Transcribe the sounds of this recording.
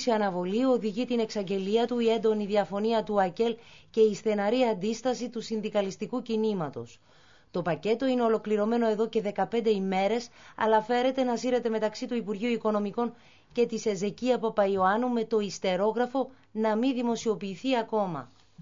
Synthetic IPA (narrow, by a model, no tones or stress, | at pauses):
siɐnɐvo̞lio̞ðiʝit̪ine̞ksɐɲɟe̞liɐt̪uie̞nd̪o̞niðiɐfo̞niɐt̪uɐce̞lce̞isθe̞nɐɾiɐnd̪ist̪ɐsit̪usinðikɐlist̪ikucinimɐt̪o̞s | t̪o̞pɐce̞t̪o̞ine̞o̞lo̞kliɾo̞me̞no̞e̞ðo̞ce̞ðe̞kɐpe̞nd̪e̞ime̞ɾe̞sɐ̰lɐfe̞ɾe̞t̪e̞nɐsiɾe̞t̪e̞me̞t̪ɐksit̪uipuɾʝiuiko̞no̞miko̞n | ce̞t̪ise̞ze̞ciɐpopɐio̞ɐnume̞t̪o̞ist̪e̞ɾo̞ɣɾɐfo̞ | nɐminðimo̞sio̞piːθiɐko̞mɐ̰